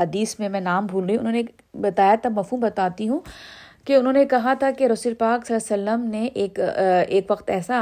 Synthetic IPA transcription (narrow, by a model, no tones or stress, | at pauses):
ɦɐd̪iːsmẽmɛ̃naːmbʱuːlɾeĩʊ̰nɦõːne | bɐt̪aːjat̪ʰamɐfɦuːmbɐt̪aːt̪iɦũ | keʊnɦõːnekɐɦat̪ʰakeɾɐsuːɾpaːksɐlasɐlːəmneʔeːkeːkʋɐqt̪ɛːsa